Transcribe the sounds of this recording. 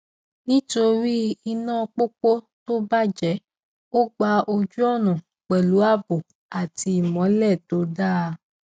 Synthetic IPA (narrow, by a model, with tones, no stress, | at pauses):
nĩ˦to˧ɾi˦i˧nãː˦˨˧k͡po˦k͡po˦ | to˦ba˦d͡ʒɛ˨˦ | o˦ɡ͡ba˧o˧d͡ʒu˦ɔ˦˨nã˨ | k͡pɛ˨lu˨˦a˦˨bo˨ | a˨ti˧i˨mɔ̃˨˦lɛ˦˨to˨˦da˦˧